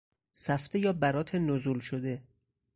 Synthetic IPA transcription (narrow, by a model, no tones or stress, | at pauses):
sæft̪ʰejɒːbæɾɒːt̪ʰenozuːlʃod̪e̞